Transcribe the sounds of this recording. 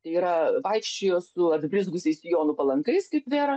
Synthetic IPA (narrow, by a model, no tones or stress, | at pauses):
t̪ɐɪiːɾɐʋɐɪkʃʲt͡ʃʲeːjoːsʊɐd̪ʲbʲɾʲɪzɡʊsʲɛɪsjoːnʊpɐlˠɐŋkɐɪskɐɪpʋʲeːɾɐ